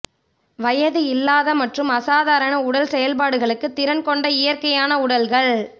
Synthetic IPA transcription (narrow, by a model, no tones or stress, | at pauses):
ʋɐjɐðɯɪlːaːðɐmɐʈrɯmɐsaːðaːɾɐnɐʊɽɐlsɛjɐlp̬aːɽɯɣɐɭɯkːɯt̪ːɪɾɐnkɔɳɖɐɪjɐrkɐjaːnɐʊɽɐlɣɐɭ